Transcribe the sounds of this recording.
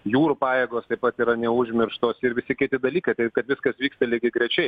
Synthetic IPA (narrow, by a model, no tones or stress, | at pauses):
juːɾʊpɑːjeːɡoːst̪ɐɪpɐt̪iːɾɐnʲɛʊʒʲmʲɪrʃt̪oːsɪɾʋʲɪsʲɪkʲɪt̪ʲɪd̪ɐlʲiːkɐɪt̪ɐɪpkɐt̪ʋʲɪskɐsʋʲiːkst̪ɐlʲiːɡʲɪɡɾʲɛt͡ʃʲɛɪ